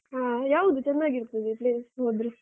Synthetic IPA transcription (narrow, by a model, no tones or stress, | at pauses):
ɦaːjaːʋud̪ut͡ʃɛnːaːɡiɾt̪ːud̪ipleːsɦoːd̪ɾi